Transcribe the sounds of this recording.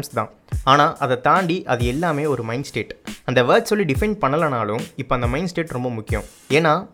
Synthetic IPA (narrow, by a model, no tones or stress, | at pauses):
mst̪ã̰ː | aːnaːʔɐðɐt̪aːɳɖiʔɐðɯɛlːaːmeːɔɾɯmɐɪnsʈeːʈɐnd̪ɐʋɐːʈsɔlːiɖɪfɛɳɖpɐɳːɐlɐnaːlɯ̃mɪpːoːɐnd̪ɐmɐɪnsʈeːʈɾɔmbɐmʊkːɪjɐ̰̃m | eːnːaː